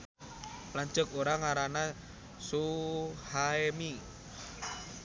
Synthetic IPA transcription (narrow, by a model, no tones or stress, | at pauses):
laɲt͡ʃək̚oɾaŋaɾana | suhaemi